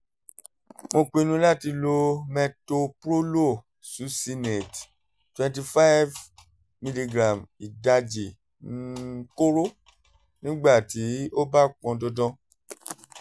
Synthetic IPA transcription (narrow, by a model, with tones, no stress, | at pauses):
mo˧k͡pĩ˧nũ˧˦la˦ti˧lo˧mɛ̃˧to˧pɾo˦lo˦˨ | su˨˦si˧nɛ˨t | twɛ̃˧nti˧fa˦v | mi˧li˧ɡɾã˨mi˨da˧d͡ʒi˨ | n˨˦ko˦ɾo˦ | nĩ˦ɡ͡ba˦˨ti˨˦o˦ba˦k͡pɔ̃˧dɔ˧dɔ̃˧